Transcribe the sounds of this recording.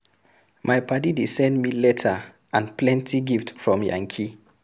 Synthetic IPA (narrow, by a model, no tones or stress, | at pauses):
mʔajpʰadidesɛ̃ndmilɛtʰa | ãnplɛ̃ntʰiɡiftfɹɔ̃mjã̰ŋkʰi